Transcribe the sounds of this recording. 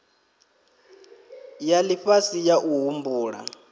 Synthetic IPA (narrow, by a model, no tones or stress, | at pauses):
jaliɸasijaʔuɦumbuːɺa̰